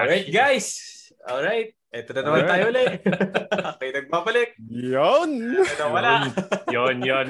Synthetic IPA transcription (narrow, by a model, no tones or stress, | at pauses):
ɹajt̪̚ɡajs | ʔo̰lɹajt̪̚ʔɛt̪onɐnɐmannaːjohɐlɛ | akɐjnɐɡ̚maːbɐlɪk̚jonɐnomɐlajonjon